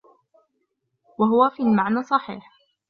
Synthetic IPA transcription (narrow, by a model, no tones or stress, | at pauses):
waɦʊwafiːlmaʕnaːsˤɑħḭːħ